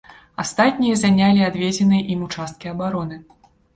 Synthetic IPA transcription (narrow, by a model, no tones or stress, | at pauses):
ast̪at̪ʲnʲijɐzanʲalʲiad̪vʲed͡zʲɛnɨjɐʔimut͡ʂast̪̚kʲiɐbaɾɔnɨ